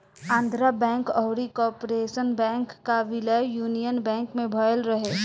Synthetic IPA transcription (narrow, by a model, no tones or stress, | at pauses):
ãːnd̪ʱɾabɛ̃ːŋkɔʊɾikɔːɾpɾeːʃənbɛ̃ːŋkːaʋɪləjjuːnijənbɛ̃ːŋkmẽbʱəəlɾəɦeː